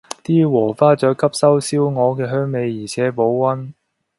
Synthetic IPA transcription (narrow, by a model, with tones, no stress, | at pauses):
t̪iː˥wɔː˨˩faː˥t͡sœː˨˥kʰɐ˥p̚sɐ˥wsiː˥wŋɔː˨˧kɛː˧ɦœː˥ŋme˨˧jːiː˨˩t͡sʰɛː˨˥po˨˥wwɐ˥n